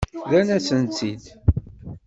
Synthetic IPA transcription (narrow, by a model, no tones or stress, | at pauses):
ðænæt͡sːənt͡s̪ːid̪